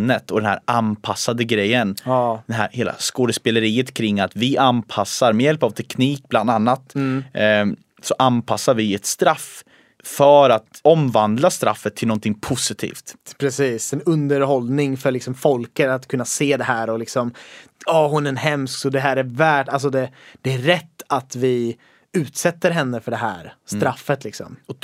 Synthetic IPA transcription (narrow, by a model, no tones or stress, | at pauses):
nːət̪ʰɔd̪ɛnhæ̰ɾanpʰasːad̪əɡɾɛjːənːd̪ɛnɦæ̰ɾheːla̰skoːd̪əspɛləɾiːət̪kʰɾɪŋːat̪vɪʔanpʰasːaɾmɛjɛlpavt̪ʰɛkʰniːk̚bland̪anːat̪ | sɔʔanpʰasːaɾvɪɛt̪st̪ɾaf | fœɾat̪ɔmvand̪last̪ɾa̰fːət̪ʰːɪlɔnt̪ʰɪŋpʰʊsɪt̪ʰḭːft̪pʰɾɛsiːsɛnɵnd̪əɾhɔlnɪŋfœɾɭɪksɔmfɔlkəɾat̪kʰɵnːaseːd̪ɛɦæːɾɔlɪksɔmɑːhʊnæɾɛnɦɛmsksɔd̪ɛɦæːɾæɾvæːʈːals̬ɔd̪ɛd̪̥ɛæɾɛt̪ːat̪vɪ | ʉ̟ːt̪sɛt̪ːəɾɦɛnːəfœɖɛɦæ̰ːɾst̪ɾafːət̪lɪksɔ̰mɔ